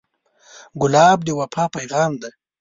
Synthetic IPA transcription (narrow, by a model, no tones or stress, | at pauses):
ɡʊlɑːbd̪əwapʰɑpajɣɑːmd̪a